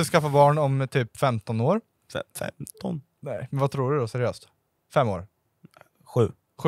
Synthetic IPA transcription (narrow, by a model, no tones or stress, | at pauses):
ɪskafabɑːɳɔmt̪ʰyːpfɛmt̪ɔnoːɾ | ɛ̰fɛ̰mt̪ʰɔn | nɛɪmɛnvat̪ʰɾuːɖɵd̪ɔsɛɾɪøːst̪ | fɛmːo̰ːɾ | ɧʉ̟ː | ɧʉ